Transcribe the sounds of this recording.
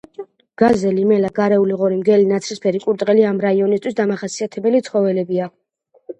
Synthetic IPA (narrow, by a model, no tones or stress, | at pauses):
ɡ̥azɛlimɛlaɡaɾɛuliʁɔɾimɡɛlinat̪sʰɾispʰɛɾikʼuɾd̪ʼʁɛliamɾaiɔnist̪ʰwisd̪amaχasiat̪ʰɛbɛlit̪sʰχɔvɛlɛbia